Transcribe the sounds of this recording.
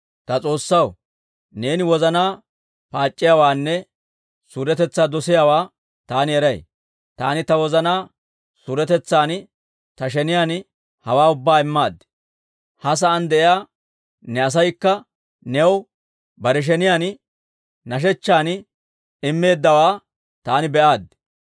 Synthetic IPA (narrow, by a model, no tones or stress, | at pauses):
t̪ɐt͡sʼo̞ːsːɐw | ne̞ːnɪwɔzɐnaː | paːt͡ʃʼːɪjawaːnːɛ | suɾɛt̪ɛt͡sːaːd̪ɔsɪjaːwaː | t̪aːnɪɛɾɐj | t̪a̰ːnɪt̪ɐwɔzɐnaː | suɾɛt̪ɛt͡sːaːn | t̪ɐʃɛnɪjaːn | hɐwaːʊbːaːɪmːaːd̪ | hɐs̬ɐʔɐnd̪ɛʔɪjaː | nɛɐs̬ɐjkːɐ | nɛw | bɐɾɛʃ̬ɛnɪjaːn | nɐʃ̬ɛt͡ʃːaːn | ɪmːe̞ːd̪ːɐwaː | t̪aːnɪbɛʔaːd̪